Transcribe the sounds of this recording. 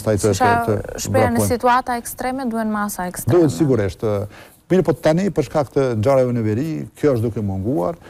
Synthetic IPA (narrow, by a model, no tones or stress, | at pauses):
st̪ajt̪t̪ʃbɛnsit̪uat̪aɛkst̪ɾɛmɛd̪uhɛnmasaɛkst̪d̪uɛt̪siɡuɾiʃt̪ | miɾpɔt̪anipəɾʃkakt̪ənd͡ʒaɾavɛnəvɛɾikjɔəʃt̪d̪ukɛmuŋɡua̰ɾ